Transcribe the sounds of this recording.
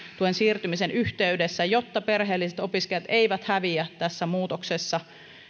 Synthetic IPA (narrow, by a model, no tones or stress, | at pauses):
t̪uensiːrt̪ymisenyht̪eyɥdesːæjo̞t̪ːɑperɦeːlːiset̪o̞piskejɑt̪ʔeiʋæt̪hæʋiæt̪æsːæmuːt̪oksesːɑ